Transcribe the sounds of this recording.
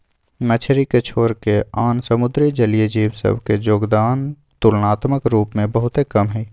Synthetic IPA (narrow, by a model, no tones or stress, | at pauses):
mət͡ʃʰɾikət͡ʃʰoːɾkeaːnsəmʊd̪ɾid͡ʒəlijəd͡ʒiːbsə̰bʱked͡ʒoːɡd̪aːn | t̪ʊlnaːt̪məkɾuːpmẽbəɦʊt̪ekəmɦɛː